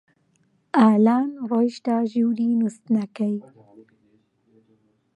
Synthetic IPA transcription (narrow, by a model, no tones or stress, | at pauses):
aːlɑːnɣojʃt̪aʒuɾinust̪nakaj